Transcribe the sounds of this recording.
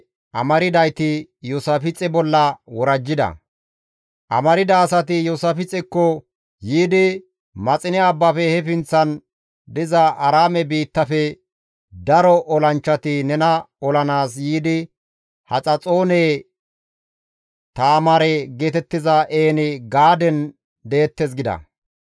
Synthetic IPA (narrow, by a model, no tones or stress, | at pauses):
ʔɐ̰mɐɾɪd̪ɐjt̪ɪjɔsɐfɪt͡sʼɛbɔlːɐwɔɾɐd͡ʒːɪd̪ɐ̰ | ʔɐ̰mɐɾɪd̪ɐːsɐt̪ɪjɔsɐfɪt͡sʼːɛkːɔ | jiːd̪ɪ | mɐt͡sʼɪnɛɐbːɐfɛhɛfɪnt͡sːɐn | d̪ɪzɐʔɐɾaːmɛbiːt̪ːɐfɛ | d̪ɐɾɔʔɔlɐnt͡ʃːɐt̪ɪnɛnɐɔlɐnaːsjiːd̪ɪ | hɐt͡sʼɐt͡sʼo̞ːneː | t̪aːmɐɾɛɡeːt̪ɛt̪ːɪzɐʔeːnɪɡaːd̪ɛn | d̪eːt̪ːɛs̬ɡɪd̪ɐ̰